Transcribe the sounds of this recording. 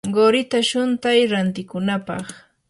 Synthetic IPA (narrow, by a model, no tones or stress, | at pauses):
ɢoɾɪt̪aʃʊnt̪ajɾant̪ɪkʊnapɑ̰χ